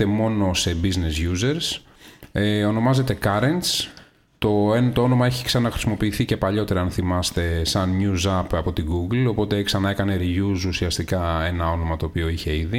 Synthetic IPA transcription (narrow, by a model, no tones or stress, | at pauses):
e̞mo̞no̞se̞biznezʝuze̞ɾs | eo̞no̞mɐze̞t̪e̞kɐɾe̞nt̪s | t̪o̞ent̪oo̞no̞mɐeçi̥ksɐnɐxɾisimo̞piːθice̞pɐʎo̞t̪e̞ɾɐɐnθimɐst̪e̞sɐnɲuzɐpɐpo̞t̪iɡuɡlo̞po̞t̪e̞ksɐnɐe̞kɐne̞ɾiʝususiɐst̪ikɐe̞nɐo̞no̞mɐt̪o̞ːpio̞içe̞iði